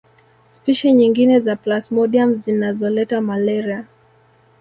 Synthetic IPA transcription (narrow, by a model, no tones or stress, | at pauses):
spiʃɛɲiŋɡinɛzaplasmɔɗiamzinazɔlɛtamalɛɾia